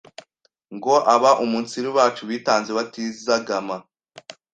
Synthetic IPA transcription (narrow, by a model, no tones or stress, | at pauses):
ŋɡo̞ʔaβaʔumunt͡siɾiwaːt͡ʃuwiːtaːnzeβatizaɡama